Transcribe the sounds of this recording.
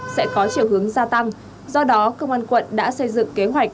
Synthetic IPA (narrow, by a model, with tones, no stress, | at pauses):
sɛ̰˧˥kɔ˨˦t͡ɕḭ˧˩əwhɦɨ˨˦əŋzaː˧t̪a˧ŋ | zɔ˧ɗɔ˨˦kə˧wŋ͡mʔaː˧nkwə̰˧˨nɗa̰ː˧˥sə˧jzɨ̰˧˨ŋke˨˦ɦwa˨˩jk̟̚